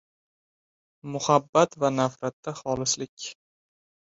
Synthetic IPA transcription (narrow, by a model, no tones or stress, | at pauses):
mʊhabːat̪vanafɾat̪ːaχɒlɪslɪkʲ